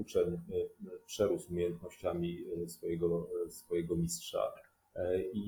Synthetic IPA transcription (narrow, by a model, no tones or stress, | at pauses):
ut͡ʂɛɲ | pʂɛɾusumʲejɛnt̪nɔɕt͡ɕamʲisfɔjɛɡɔsfɔjɛɡɔmʲistʂa̰ | i